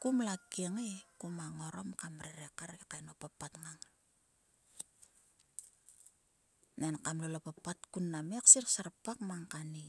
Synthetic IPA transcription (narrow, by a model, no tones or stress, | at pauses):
kumlakeŋekumaŋo̞ɾo̞mkamɾeɾekaɾekajnopapːatŋaŋ | nenkamlolopapːatkunːameksirksaɾpakmaŋkani